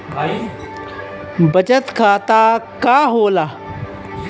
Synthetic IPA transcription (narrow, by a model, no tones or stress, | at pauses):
bʱai | bɐt͡ʃət̪kʰaːt̪aːkaːɦoːlaː